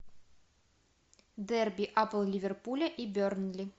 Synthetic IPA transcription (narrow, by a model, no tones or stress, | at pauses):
d̪ɛrbʲiʔapəlˠlʲivʲerpulʲɐʔibʲøɾnlʲi